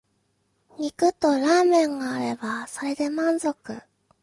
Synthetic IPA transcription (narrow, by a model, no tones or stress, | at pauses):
ɲ̟ikɯ̟t̪o̞ɾaːmẽ̞ŋɡaːɾe̞baso̞ɾe̞d̪e̞mãnzo̞kɯ̟